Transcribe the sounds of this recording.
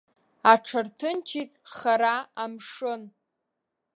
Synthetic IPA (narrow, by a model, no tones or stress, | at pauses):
aʈ͡ʂʰartʰɨnt͡ʃʰitʼχaɾaamʂɨn